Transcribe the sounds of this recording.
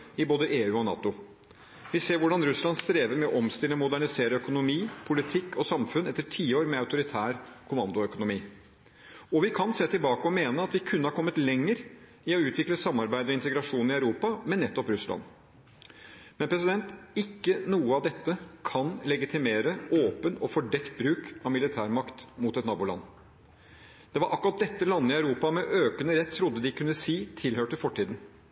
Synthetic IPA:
ɪboːd̪əʔeːʉːɔnɑ̰ːt̪ʊ | ʋɪseːɾʋʊɖɑnɾʉslɑnst̪ɾeːʋəɾmɛɔʔɔmst̪ɪləmʊd̪æɳɪseːɾəœkʊnʊmiːpʰʊlɪt̪ʰɪkːɔsɑmfʉnɛt̪ːəʈʰiːoːɾmɛɑʉt̪ʊɾɪt̪ʰæːɾkʰʊmɑnd̪ʊœkʊnʊmiː | ɔʋɪkʰɑnseːt̪ɪlbɑːkəɔmeːnəɑt̪ʋɪkʰʉnːəhɑɾkʰɔmːət̪lɛŋːəɾ | ɪɔʉːt̪ʰʋɪkləsɑmːɑɾbæɪd̪ɔɪnt̪əɡɾɑʂuːnɪɑʉɾuːpɑmɛnːɛt̪ːɔpɾʉslɑ̰n | mɛnpʰɾɛs̬ɪd̪ɛnt̪ɪkːənuːəɑʋd̪ɛt̪ːəkʰɑnlɛɡɪt̪ʰɪmeːɾəʔoːpənɔfɔɖɛkt̪̚bɾʉːkɑʋmɪlɪt̪ʰæːɾmɑkt̪mʊt̪ɛt̪nɑːbuʊlɑ̰nː | d̪̥ɛʋɑɾʔɑ̰kːʊɾɑt̪̚d̪ɛt̪ːəlɑnːəɪɑʉɾuːpɑmɛʔøːkənəɾɛt̪ʰːɾʊd̪ːəd̪ɪkʰʉnːəsiːt̪ʰɪlhøːʈɪfɔʈʰːiːd̪n̩

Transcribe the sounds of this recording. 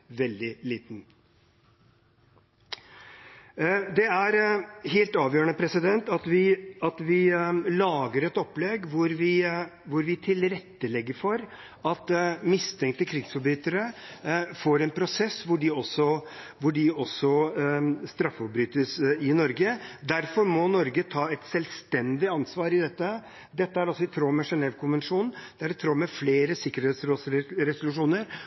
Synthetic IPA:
ʋɛld̪ɪliːt̪n̩ | d̪ɛæɾɦeːlt̪ɑːʋjøːɾəɳəpʰɾɛsɪd̪ɛnt̪ɑt̪ʋɪɑt̪ʋɪlɑːɡəɾɛt̪ɔpːlɛɡʋʊɾʋɪʋʊɾʋɪt̪ʰɪlɾɛt̪ːəlɛɡːəɾfɔɾ | ɑt̪mɪst̪ʰɛŋkt̪əkʰɾɪɡsfɔɾbɾyːt̪əɾə | foːɾɛnpʰɾʊsɛsːʋʊɖɪɔsːɔ | ʋʊɖɪɔsːɔ | st̪ɾɑfɔbɾyːt̪əsɪnɔɾɡəd̪æɾfɔɾmɔnɔɾɡət̪ʰɑːɛt̪sɛlst̪ɛnd̪ɪɑnsʋɑːɾɪd̪ɛt̪ːə | d̪ɛt̪ːəæɾɔsːɔɪt̪ʰɾoːmɛʂɛnɛʋkʰʊnʋənʂuːnn̩d̪̥ɛæɾɛt̪ʰɾoːmɛfleːɾəsɪkːəɾheːt̪sɾoːsɾɛsʊlʉʂuːnəɾ

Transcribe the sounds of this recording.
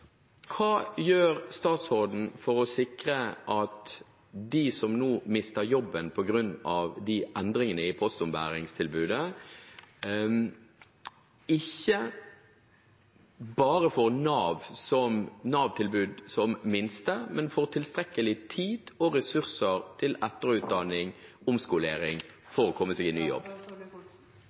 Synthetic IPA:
kʰɑːjøːɾst̪ɑːt̪sʁoːd̪n̩fɔɾɔsɪkɾəʔɑt̪ | d̪ɪsɔmnoːmɪst̪əɾjɔbːənpʰɔɡɾʉnːɑʋd̪ɪʔɛnd̪ɾɪŋənəɪpʰɔst̪ʊmbæ̰ːɾɪŋst̪ʰɪlbʉːd̪ə | ɪçːə | bɑːɾəfɔʁnɑːʋsɔmnɑːʋt̪ʰɪlbʉːd̪sɔmmɪnst̪əmɛnfɔʁt̪ʰɪlst̪ɾɛkːəlɪt̪ʰiːd̪̥ɔɾɛsʉʁsəʁt̪ʰɪlɛt̪əɾʉːt̪̚d̪ɑnɪŋʊmskʊleːɾɪŋfɔːɾɔkʰɔmːəseːɡɪny̰ːjɔ̰bː

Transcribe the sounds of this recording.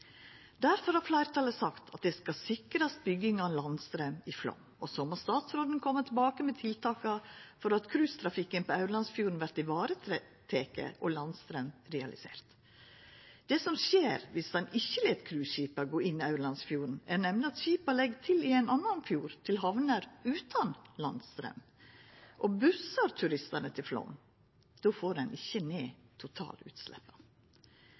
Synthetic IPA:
d̪æɾfɔɾhɑɾflæɪɾt̪ʰɑləsɑkt̪ʰɑt̪̚d̪ɛskɑsɪkɾɑst̪̚bʏɡɪŋɑlɑnst̪ɾæmɪflɔ̰m | ɔsɔmːɑst̪ɑːt̪sɾoːd̪n̩kʰɔmːət̪ʰɪlbɑːkəmɛt̪ʰɪlt̪ʰɑːkɑfɔɾɑt̪kʰɾʉːst̪ʰɾɑfɪkːənpʰɔœʉɾɭɑnsfjuːɾn̩ʋæɾʈ̪ɪʋɑːɾə | t̪ʰeːkə̰ʔɔlɑnst̪ɾæmɾɛɑ̰lʔɪsḛːɾt̪ | d̪̥ɛsɔmʃeːɾʋɪsd̪ɛnɪçːəleːt̪kʰɾʉːɕiːpɑɡoːʔɪnːɪɑʉɾɭɑnsfjuːɾn̩æɾnɛmnəɑt̪ɕiːpɑlɛɡt̪ʰɪlɪæɪnɑnːɑnfjuːɾt̪ʰɪlɦɑʋnəɾʉːt̪ʰɑnlɑnst̪ɾœ̰m | ʔɔbʉsɑɾt̪ʰʉɾɪst̪ənət̪ʰɪlflɔ̰m | d̪̥oːfoːɾɛnʔɪçːəneːt̪ʰʊt̪ʰɑ̰ːlʉ̰ːt̪slɛ̰pːɑ

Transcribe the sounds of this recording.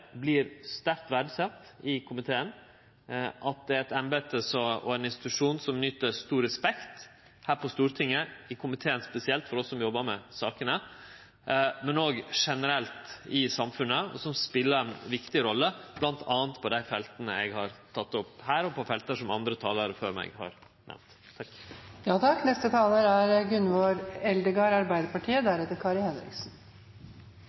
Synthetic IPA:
blɪɾst̪æɾkt̪ʋæɖsɛt̪ɪkʰʊmɪt̪ʰeːən | ʔɑt̪̚d̪ɛɛt̪ɛnbeːt̪əsɔɔ̰ɛnɪnst̪ɪt̪ʉʂuːnsɔmnʏːt̪əst̪uːɾɛspɛkt̪ | hæːɾpʰɔst̪uːɾt̪ʰɪŋːəɪkʰʊmɪt̪ʰeːənspɛsɪɛlt̪fɔɾɔsːɔmjɔbːəɾmɛsɑːkənə | mɛnoːɡʂɛnəɾɛlt̪ɪsɑmfʉnəɔ̰sɔmspɪlːəɾɛnʋɪkt̪ɪɾɔlːəb̥lɑnt̪ʰɑːənt̪pʰɔd̪æɪfɛlt̪ənə̰ɛɡhɑɾt̪ʰɑt̪ːɔphæːɾɔpɔfɛlt̪əʂɔmɑnd̪ɾət̪ʰɑːləɾəfø̰ːɾmɛ̰ɪɡhɑ̰ɾ | nʔɛ̰mnt̪ʰ | jɑːt̪ʰɑkːnɛst̪ət̪ʰɑːləɾæɾɡʉnʋoɾɛld̪əɡɑːɾɑɾbæɪd̪əɾpɑʈʰiːəd̪æɾɛt̪ːəɾkʰɑːɾɪhɛnɾɪ̰ɡsn̩

